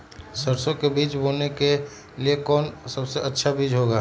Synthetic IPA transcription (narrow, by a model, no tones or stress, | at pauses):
səɾsõkebiːt͡ʃboːlneke | liekɔːnsəbseʔətːʃʰabiːd͡ʒɦoːɡaː